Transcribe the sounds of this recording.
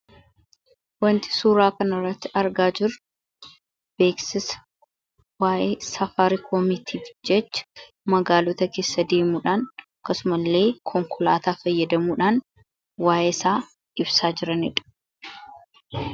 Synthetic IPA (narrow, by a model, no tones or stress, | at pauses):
wɐnt̪ɪ̥suːɾaːkɐnɪrːɐt̪ːɪʔɐɾɡaːd͡ʒɪɾ | b̥e̞ːksɪsɐ̥ | waːʔeːsɐfaɾɪkʰɔmɪt̪ʰiːfd͡ʒɛt͡ʃːɐ̥ | mɐɡaːlot̪ɐke̞ːsːɐd̪e̞ːmuːᶑaːnɐkːɐsʊmɐlːe̞ːkʰɔŋkʰʊlaːt̪aːfɐjːɐd̪ɐmuːᶑaːn | waːjʔeːsaː | ʔɪbsaːd͡ʒɪɾɐnɪ̰ᶑɐ̥